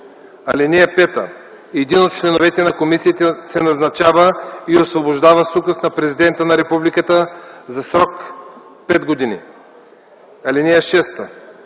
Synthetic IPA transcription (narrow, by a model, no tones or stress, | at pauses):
alɛniapɛt̪a̰ | ɛd̪inot̪̚t͡ʃlɛnovɛt̪ɛnakomisiːt̪ɛsɛnaznat͡ʃavaiosvoboʒd̪avasuɡəsnapɾɛzid̪ɛnt̪ənaɾɛpublikat̪əzasɾɔk | pɛd̪ɡod̪inḭ | alinijaʃɛst̪a